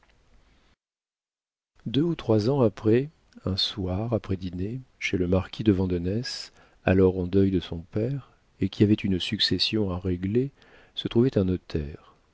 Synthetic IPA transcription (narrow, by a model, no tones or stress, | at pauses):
d̪øut̪χwazɑ̃apχɛ | ɛ̃swaʁapχɛd̪ineʃeləmaʁkʲʰid̪əvɑ̃d̪ɔnɛs | a̰lɔʁɑ̃d̪œjd̪əsɔ̃pɛʁ | ekʲiavɛt̪ynsyksɛsjɔ̃aʁeɡle | sət̪χuvɛt̪ɛ̃nɔt̪ʰɛːʁ